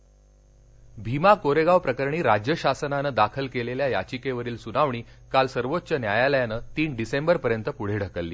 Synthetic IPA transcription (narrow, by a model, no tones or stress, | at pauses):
bʱimakoɾeɡaʋpɾəkəɾɳiːɾad͡ʑjəɕasənanəd̪akʰəlkeleljajat͡ɕikeʋəɾiːlsunaʋɳiːkalsəɾʋot̪ːt͡ɕənjajaləjanəːt̪iːnɖisembəɾpəɾjənt̪əpuɽ̤eɽ̤ʱəkəlːḭː